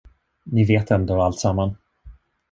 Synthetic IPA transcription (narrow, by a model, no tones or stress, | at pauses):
nɪveːt̪ɛnd̪oːalt̪samːan